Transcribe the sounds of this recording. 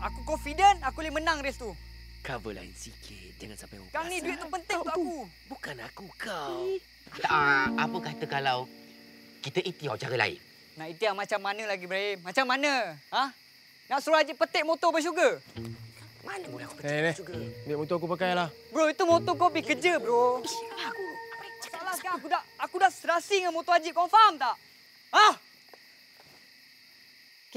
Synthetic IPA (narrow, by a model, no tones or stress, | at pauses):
akukɔnfidənakulimənaŋɾɛst̪ukavəla̰ɪ̰nsikʰɪ̰t̪̚d͡ʒaŋansampajokanĩduɪt̪t̪ːupənt̪ɪŋaʔau | bukanakukaw̪ | aapəkat̪əkalaw | kit̪əʔit̪iawt͡ʃaɾəla̰ɪ̰n | naʔit̪iahmat͡ʃamːanə̃laɡibəɾaemat͡ʃamːanə̃a | naʔsɾuad͡ʒiʔpət̪ɛʔ̚mot̪obəʃ̬uɡə | manəmulaku̥plɛɡbiʔmot̪ɔakupəkajanlah | bɾoit̪umot̪ɔkobɪkəd͡ʒəbɾo | salahkakudaʔakudaʔsəɾasiŋanmot̪oad͡ʒiʔkɔnfamt̪aʔ | ah